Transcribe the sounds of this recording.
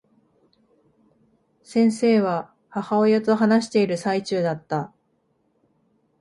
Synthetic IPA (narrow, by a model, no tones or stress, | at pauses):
sẽ̞ɰ̃se̞ːβa | hahao̞jot̪o̞ɦanaɕi̥t̪e̞iɾɯ̟sait͡ɕɨːd̪at̪ːa